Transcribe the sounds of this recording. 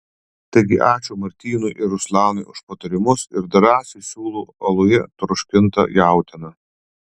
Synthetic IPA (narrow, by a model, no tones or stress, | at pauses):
t̪ɐɪɡʲɪʔɑːt͡ʃʲuːmɐɾʲt̪ʲiːnʊɪʔɪɾʊslʲˠɑːnɐɪʊʃpɐt̪ɐɾʲɪmʊsɪɾd̪ɐɾɑːsʲɛɪsʲuːlˠuːɐlˠʊjɛt̪ɾʊʃʲkʲɪnt̪ɐ̰jæˑʊt̪ʲɪnɐ